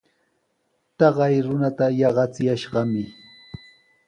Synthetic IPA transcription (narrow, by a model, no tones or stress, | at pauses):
t̪ɑɢɑjɾʊnat̪ajɑɢɑt͡sɪjaʃɢɑmɪ